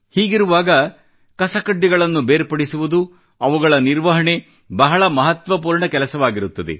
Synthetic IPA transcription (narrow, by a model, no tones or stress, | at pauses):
hiːɡiɾuʋaːɡɐ | kɐsɐkɐɖːiɡɐɭɐnːubeːɾpɐɽisuʋud̪u | ɐʋuɡɐɭɐniɾʋɐɦɐɳe̞ | bɐɦɐɭɐmɐɦɐt̪ʋɐp̬uːɾɳɐkɛlɐsɐʋaːɡiɾut̪ːɐd̪ḛ